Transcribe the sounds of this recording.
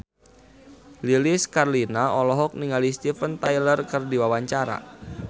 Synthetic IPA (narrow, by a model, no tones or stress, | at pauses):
liliskarlinaɔlɔɦɔk̚niŋalist̪ifənt̪ajlərkərdiwawaɲt͡ʃaɾa̰